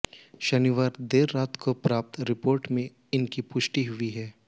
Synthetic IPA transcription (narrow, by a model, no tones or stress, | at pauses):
ʃɐniʋaːɾd̪eːɾːaːt̪kopɾaːp̚t̪ɾɪpoːɾʈmẽ | ɪnkipʊʃʈiɦʊiɦɛː